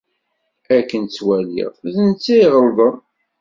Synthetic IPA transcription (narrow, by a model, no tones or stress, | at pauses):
ækːənt͡sːwælḭʁzənt͡sːiʁəlðəm